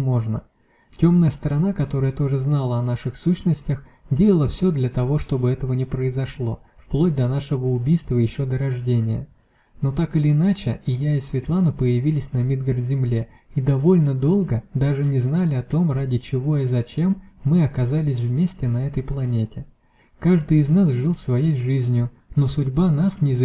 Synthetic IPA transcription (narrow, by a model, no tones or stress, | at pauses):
mo̞ʐnə̰ | tʲo̞mnəjəst̪əɾɐnakɐt̪o̞ɾəjət̪o̞ʐɨznalˠəɐnaʂɨxsuɕnəsʲtʲəx | dʲelˠəlˠəfsʲo̞d̪lʲɐt̪ɐvo̞ʂt̪o̞bɨɛt̪əvənʲɪpɾəɪzɐʂlˠo̞̰fplˠod̚ʲd̪ɐnaʂɨvəʊbʲijst̪vəjɪɕːod̪əɾɐʐdʲenʲɪjə̰ | no̞t̪akɨlʲɪnat͡ɕɪɪjaɪsvʲɪt̪lˠanɨpəjɪvʲilʲɪsʲnɐmʲid̪ɡərd̪zʲɪmlʲe̞ | id̪ɐvo̞lʲnəd̪o̞lˠɡəd̪aʐɨnʲɪznalʲɪɐt̪o̞mradʲɪt͡ɕɪvo̞ɪzɐt͡ɕe̞mːɨɐkɐzalʲɪs̬ʲvmʲesʲtʲɪnɐɛt̪əjplˠɐnʲetʲɪ | kaʐd̪ɨɪznasʐɨlˠsvɐjejʐɨzʲnʲjʊ | no̞sʊdʲbanasnʲɪz